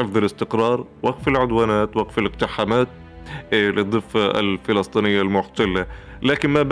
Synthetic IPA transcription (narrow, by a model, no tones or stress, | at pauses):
ɪfðˤɪlɪst̪ɪqɾˤɑːɾˤ | waɡfɪlʕʊd̪waːnaːt̪waɡfalɪq̚t̪ɪħamaːt̪̚ | lɨd̪ˤːɨfːaʔa̰lfɪlɑsˤt̪ˤiːnɪjːalmʊħt̪alːa | laːkɪnmab